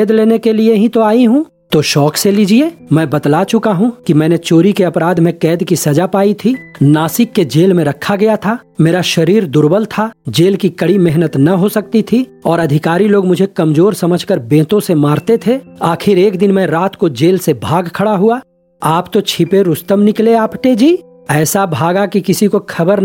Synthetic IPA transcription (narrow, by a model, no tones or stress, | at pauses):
ɛːd̪leːnekelieɦĩt̪oaːiɦũː | t̪oʃɔːkseliːd͡ʒieːmɛ̃ːbɐd̪lat͡ʃʊkaɦũkimɛ̃ːnet͡ʃoːɾikeɐpɾaːd̪mẽkɛːd̪kisɐd͡ʒapaːit̪ʰiːnaːsɪkːed͡ʒeːlmẽɾɐkʰːaɡɐjat̪ʰaː | meːɾaʃɐɾiːɾd̪ʊɾbəlt̪ʰad͡ʒeːlkikɐɽimɛɦnət̪nɐɦosɐk̚t̪it̪ʰiɔːɾɐd̪ʱɪkaːɾiloːɡmʊd͡ʒʱekɐmzoːɾsɐməd͡ʒʱkəɾbẽːt̪õsemaːɾt̪et̪ʰeaːkʰɪɾeːkd̪ɪnmɛ̃ɾaːt̪kod͡ʒeːlsebʱaːɡkʰɐɽaɦua | aːpt̪ot͡ʃʰɪpeɾʊst̪əmnɪkleaːpʈeːd͡ʒiː | ɛːsabʱaːɡakikɪsikokʰɐbəɾ